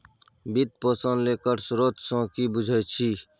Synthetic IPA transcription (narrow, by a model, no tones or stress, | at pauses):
bɪt̪̚pəːsə̃nd̪leːkəɾsʊɾoːt̪sõkibʊd͡ʒʱəjt͡ʃʰiː